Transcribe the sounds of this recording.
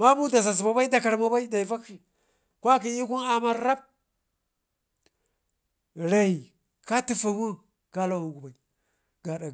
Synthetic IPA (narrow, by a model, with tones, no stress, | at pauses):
ma˦bu˦da˨za˨z̬ba˨ba˦i˦da˨ka˨ɾma˦ba˦i˦da˨i˨va˦ki˨ | kʷa˦ki˨i˦ku˦na˨ma˨ɾɾa˦b̚ | ɾa˨i˨ | ka˦ti˨fa˨wu˦ | ɡ̥a˦la˦u˨ɡu˨ba˨i˨ | ɡa˨ɗa˨